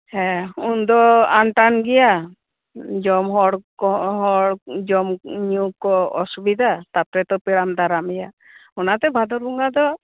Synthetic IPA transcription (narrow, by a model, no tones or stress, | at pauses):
hɛ̃und̪ɔanʈanɡɛja | d͡ʒɔmɦɔɽɔɦɔɽd͡ʒɔmɲukɔɔsubid̪ʱat̪at̪ɾɛt̪ɔpiɽamd̪aɾamɛja | ɔnat̪ɛbʱad̪ɔɾuŋɡad̪ɔ